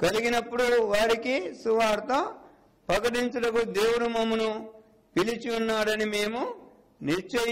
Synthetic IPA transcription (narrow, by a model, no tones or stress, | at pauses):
kɐliɡinɐpːuɽuʋaːɾikisuʋaːɾt̪oː | pɐkɐʈ̬iɲt͡ʃuɐɽɐkud̪e̞ːwuɽumɐmunu | pilit͡ʃiunːaːɾɐnime̞ːmu | niɾt͡ʃɐ